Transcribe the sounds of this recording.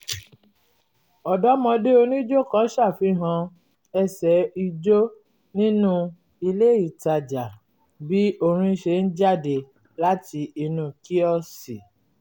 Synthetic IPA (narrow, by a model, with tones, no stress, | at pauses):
ɔ˨dɔ˦mɔ̃˧de˦o˧nĩ˦d͡ʒo˦kã˨˦ʃa˦˨fi˨˧˦ɦã˧ | ɛ˧˨sɛ˨˦i˧d͡ʒo˦ | nĩ˦nũ˦ | i˧le˦i˦˨ta˨d͡ʒa˨ | bi˦o˧ɾ̃ĩ˧ʃe˧˦n̩˦d͡ʒa˦˨de˧ | la˦ti˧i˧nũ˧˦ki˦ɔ˦˨si˨